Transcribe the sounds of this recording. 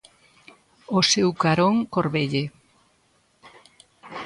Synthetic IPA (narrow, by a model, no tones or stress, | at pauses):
osewkaɾoŋkoɾβeʎe